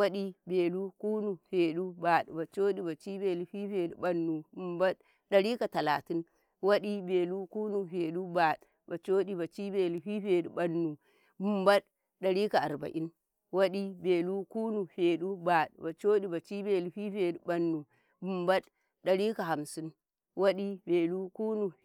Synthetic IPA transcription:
wa˦ɗi˦be˨lu˦ku˦nu˨ɸe˨ɗu˦ba˨ɗba˨t͡ʃo˦ɗi˦ba˨t͡ʃi˦be˨lu˦ɸi˦ɸe˨ɗu˨ba˨nːu˨bu˨mba˦ɗ | ɗa˨ɾi˦ka˨ta˨la˨ti˦n | wa˦ɗi˦be˨lu˦kuː˦nu˨ɸe˨ɗu˦ba˨ɗ | ba˨t͡ʃo˦ɗi˨ba˨t͡ʃi˦be˨lu˨ɸi˦ɸe˨ɗu˨ba˨nːu˨ | bu˨mba˦ɗ | ɗa˨ɾi˦ka˨a˨ɾba̰˨ʔi˦n | wa˦ɗi˦be˨lu˦ku˦nu˨ɸe˨ɗu˦ba˨ɗba˨t͡ʃo˦ɗi˨ba˨t͡ʃi˦be˨lu˨ɸi˦ɸe˨ɗu˨ba˨nːu˨ | bu˨mba˦ɗ | ɗa˨ɾi˦ka˨ɦa˨msi˦n | wo˦ɗi˦be˨lu˦ku˦nu˨

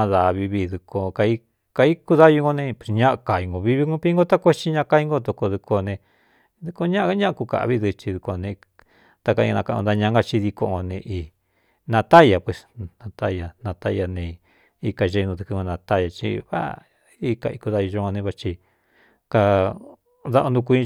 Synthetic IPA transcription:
ã˧ða˨˧βi˧βi˧ðu˧kʰo˧ka˧i˦ | ka˧i˦ku˧ða˦ju˧ŋɡo˧nẽ˧pe̥˨sɲã˦ʔa˧ka˨i˧ŋɡo˧βi˦βi˧ŋũ˦pi˦ŋɡo˦t̪a˦kʷe˦t͡ʃi˦ɲã˦ʔka˧i˦ŋɡo˦˧t̪o˧ko˧ðu˧kʰo˧nẽ˧ | ðu˧ko˧ɲã˦ʔa˧a˦ɲã˦ʔa˧ku˧˨ka̰˨ʔβi˦ðɨ˧t͡ʃi˧ðu˧ko˧nẽ˧ | t̪a˧ka˧ḭ̃˧ã˧ka˧ũ˧d̪a˧ɲã˧˦ŋɡa˧t͡ʃi˧ði˧ko˧ʔŋo˧nẽ˧ʔi˧ | nã˧t̪a˦ja˨pwe˧snã˧t̪a˦ja˧nã˧t̪a˦ja˧nẽ˧ | i˧ka˧ʒe˧nũ˧t̪u˧kɨ˧õ˧nã˧t̪a˦ja˧t͡ʃḭ˧βa̰˦ | i˧ka˧i˧ku˧ða˧ju˧ʒo˧ŋɡo˧nẽ˧βa˧t͡ʃi˧ | ka˧ | ða˧ʔo˧nd̪u˧ku˧ĩ˧

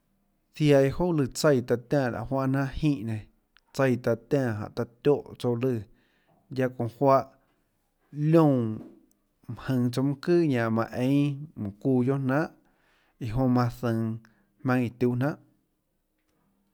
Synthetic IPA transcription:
θja˧˨i˧ho˦lɨ˧˨t͡sə˧jt̪a˧t̪ʲãː˧˨la̰˨ʔhwa˦ʔnã˦ʔhĩː˦˧˨ʔnẽ˨ | t͡sə˧jt̪a˧t̪ãː˦˧˨ɦã̰˨ʔt̪a˧t̪ʲjo˦˨ʔt͡so˧lɨ˧˨ | ja˧kõ˨hwa˧ʔ | lʲõ˦˧˨ | m˨hə̃˧t͡so˧mũ˦kɨː˦ɲã˨mã˧ʔẽ˧˦mɨ̃˨kuː˧˨jo˦ʔn̥ãː˦ʔ | i˨ɦõ˧mã˧θə̃˧˨ | hmã˧ŋi˨t̪ʲuː˧˨nã˦ʔ

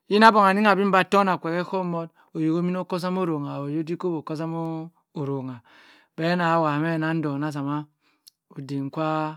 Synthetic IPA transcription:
ji˦na˦bo˨ŋ˨a˨ni˦ŋa˨bi˦m˦ba˦˨to˦na˨kʷe˨ke˦ko˦mo˦t | o˨jo˨ko˦mi˦n˦o˦ko˦s̬a˦mo˦ɾo˨ŋa˨o˨jo˦di˦ko˦bo˨ko˦s̬a˦mo˦ | o˨ɾo˨ŋa˨ | be˦na˨˦wa˨me˦˨na˦n̩˦do˨na˦s̬a˨ma˦ | o˨de˨ŋ˨kʷa˦

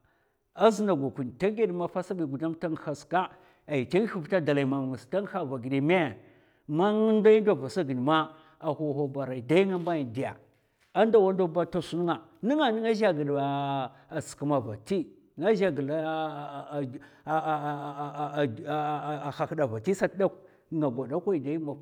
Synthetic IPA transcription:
a˦zi˦na˨ɡʷa˨ku˨n˨ta˦ŋɡe˦dma˦fa˦sa˦bi˨ɡu˨da˦mta˦ŋ˨xa˨ska˦ | a˨i˨ta˦ŋ˦u˦vta˦da˨la˨i˨ma˨m˨ŋa˨sta˦ŋ˦xa˦˨va˨ɡi˨di˨me˦˨ | ma˦ŋ˦n˦da˦i˦do˦˨va˨sa˦ɡi˨n˨ma˦ | a˨xo˨xo˨ba˨ɾa˨i˨da˦ŋa˦mba˦ji˨di˨ja̰˨ | a˦nda˨wa˦n˦do˦ba˦ta˦su˦n˦ŋa˨ni˦ŋa˨ni˦ŋa˦ʒa˦ɡi˨da˨ | ska˨ma˨va˨ti˦ | ŋa˦ʒa˦ɡi˨la˦˨ | xa˨kda˨va˨ti˦sa˦tda˦k | ŋa˨ɡʷa˨da˦kʷa˦i˨da˦i˦ma˨

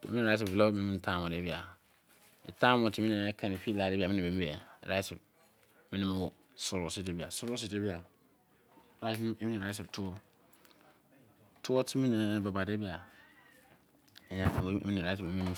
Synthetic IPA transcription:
mĩ˦ĩ˨a˦s̬ɪ˨blo˦mĩ˦ĩ˦n̩˨tʰã˦˨mɔ̃˨de˨˦bi˨a˨ | ḭ˨tʰã˦mɔ̃˨tʰi˨mĩ˦nĩ˨˦ɛ˦kʰã˨nɪ̃˨fi˦la˨e˨˦bi˨a˨mɪ̃˦nɪ̃˨be˨m˦bɛ˨ɾa˦sɪ˨b | mĩ˦nĩ˦m̃˦wɔ˨ | sʊ˨ɾʊ˦si˦˨de˦bi˨a˨sʊ˦ɾʊ˦s̬i˦˨de˦bi˦a˨ | ɾa˦mĩ˦nĩ˨ɾa˦s̬ɪ˨btʰʊ˦ɔ˦ | tʰʊ˦wɔ˦tʰi˦mĩ˦nĩ˨˦ba˨ba˨de˦bi˦a˨ | ɛ˨ɲã˨fṵ˨˦mĩ˦nĩ˨ɾa˦s̬ɪ˨ĩ˨˦mĩ˦

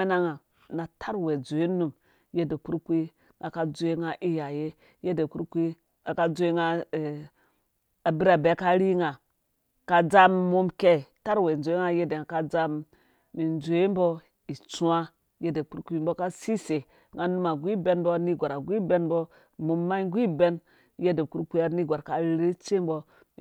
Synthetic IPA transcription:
e˦na˦ŋa˨ | na˨tʰa˦ɾwe˨d͡zo˨e˦nu˦m | je˦de˨ku˦ɾkʷi˦ | ŋa˨ka˨d͡zo˦e˦ŋa˦ʔi˦ja˨je˦ | je˦de˨ku˦ɾkʷi˦ | a˨ka˦d͡zo˦e˦ŋa˦˨ | a˨bi˦ɾa˨be˨˦ka˦ɾi˦ŋa˨ | ka˨d͡za˦mmo˦mke˦˨ta˦ɾwe˨n˨d͡ʒo˨e˦ŋa˦je˦de˨a˨ka˦d͡za˦mː | i˨nd͡ze˦m˦bɔ˦ | i˨t͡su˦a˦ | je˦de˨ku˦ɾkʷi˦mbo˦ka˦si˦se˨ | ŋa˦nu˦ma˨ɡʷi˦be˦nbo˦ni˦ɡʷa˨ɾa˨ɡʷi˦be˦nbɔ˦ | mo˨mːa˦ɡʷi˦be˦n | je˦de˨ku˦ɾkʷi˦a˦ni˦ɡʷa˨ɾka˨˦ɾe˦t͡ʃe˦m˦bɔ˦

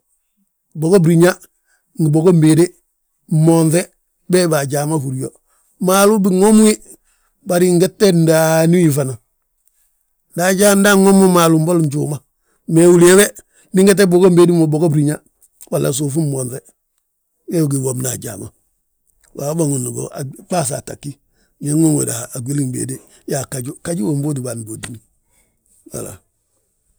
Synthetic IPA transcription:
boɡo˦bɾiɲa | ŋɡi˨bo˨ɡo˦mbe˨de˦ | monθe | bebaɟaːmafuɾijo | maːlu˦bi˦ŋo˦mu˦i | baɾiŋɡe˦tːendanu˦ifana | daːɟaːnda˦ŋo˦mo˦maːlumbo˦lɲt͡ʃṵːma | meːu˦lewe | mi˦ŋɡe˦t̬e˦bo˨ɡo˦mbe˦di˦mo˨bo˨ɡo˦bɾi˨ɲa˦ | wa˨la̰˨s̬u˨fu˦mmo˨nɾe˦ | we˦wɡi˨ŋɡo˨mna˨ɟa̰ː˨ŋo̰˨ | wa˨˦bo˦˨ŋu˨nu˨ɡo̰˨a˨ba˦s̬a̰˨ta̰˨kːi˦ | ɲe˦ŋo˦ŋwḛ˨da̰˨ha˨a˨ɡi˦li˦ŋbḛː˨de˦ | ja˨ka˨ɟu˦ka˦ɟu˦wo˨m˦bo˦di˨ba˨n˨bo˨di˨ni˦ | wa̰˨la̰˨

